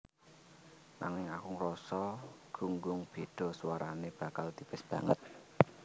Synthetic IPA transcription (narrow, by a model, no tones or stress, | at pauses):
na̰ŋɪŋakuŋɾɔsɔɡ̥uŋɡʊŋb̥e̤d̪̥ɔ̤swaɾaneb̥ä̤kald̪̥i̤pɪsb̥ä̤ŋət̪̚